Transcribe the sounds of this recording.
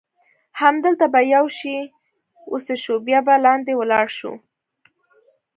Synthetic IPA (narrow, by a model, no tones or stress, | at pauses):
hamd̪əlt̪abajawʃi | oseʃubjɑbalɑnd̪ewəlɑɽʃṵ